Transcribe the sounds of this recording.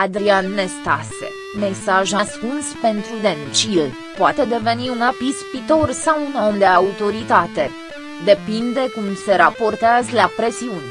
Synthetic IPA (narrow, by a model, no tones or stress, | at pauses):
ad̪ɾianːe̞st̪asḛ | me̞saʒaskunspe̞nt̪ɾud̪e̞nt͡ʃil | poat̪ed̪e̞ve̞niunapispit̪o̞rsawuno̞md̪e̞aut̪o̞ɾit̪at̪e̞ | d̪e̞pind̪e̞kumse̞ɾapo̞rt̪eazəlapɾe̞siunʲ